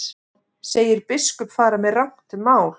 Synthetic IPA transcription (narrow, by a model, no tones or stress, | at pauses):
seːjɪɾpɪskʏpfaːɾamɛðrawŋ̥t̪ɪmaːwl̥